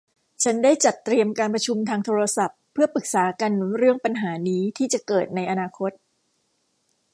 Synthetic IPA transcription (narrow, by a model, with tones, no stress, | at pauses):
t͡ɕʰa˦˥ndaː˥˩jt͡ɕa˨˩t̪ːɾi˧əmkaː˧npɾa˧t͡ɕʰu˧mt̪ʰaː˧ŋt̪ʰoː˧ɾa˧sa˨˩pʰːɯ˥˩ɐpɯ˨˩k̚saː˩˦ka˧nɾɯ˥˩əŋpa˧nɦaː˩˦niː˦˥t̪ʰiː˥˩t͡ɕa˨˩kɤː˨˩t̪̚na˧jʔa˧naː˧kʰo˦˥t̪̚